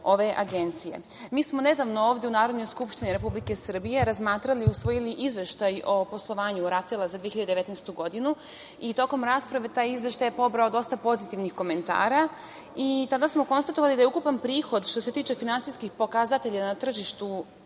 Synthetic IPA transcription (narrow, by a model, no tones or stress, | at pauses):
o̞ʋe̞ʔa̰ɡe̞nt̪sije̞̰ | miːsmo̞ne̞d̪aʋnooːʋd̪jeunaːɾo̞d̪no̞jskupʃt̪iniɾe̞publike̞sr̩bije̞ɾazmaːt̪ɾaliusʋo̞jiliʔizʋe̞ʃt̪ajo̞po̞slˠoʋaːɲuɾat̪elˠazad̪ʋijeçiʎad̪eeʋe̞t̪nɛjst̪uɡo̞d̪inu | it̪o̞ko̞mɾaspɾaʋe̞t̪aːjizʋe̞ʃt̪ajepo̞bɾaod̪o̞st̪apo̞zit̪iʋnixko̞me̞nt̪a̰ːɾa | it̪ad̪asmo̞ko̞nst̪at̪o̞ʋalid̪ajeukupanpɾiːxo̞d̪ʃt̪o̞se̞t̪iːt͡ʃe̞finansijskixpo̞kazat̪e̞ʎanat̪r̩ʒiʃt̪u